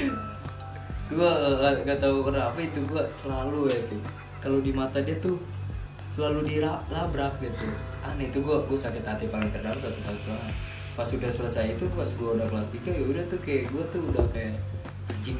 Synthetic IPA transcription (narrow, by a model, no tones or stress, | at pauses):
ɡuaaɡat̪aukəraapait̪uɡuasəlaluwait̪u | kalodimat̪adiat̪ʊ | səlaludiɾaʔlabɾak̚ɡit̪u | anait̪uɡuaɡuasaket̪at̪ipaŋɪŋkərdaɡat̪ut̪ausaa | pasudahsələsajait̪upasɡuaudahklaspikajaudaht̪ukajaʔɡuat̪uudahkajaʔ | d͡ʒi